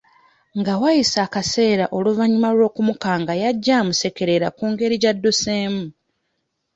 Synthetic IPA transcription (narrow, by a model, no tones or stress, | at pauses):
ŋɡawajisaːkase̞ːɾaʔo̞luvaɲimalwo̞ːkumukaːŋɡajaɟːamuse̞ke̞ɾe̞ɾakuːŋɡe̞ɾiɟadːuse̞ːmu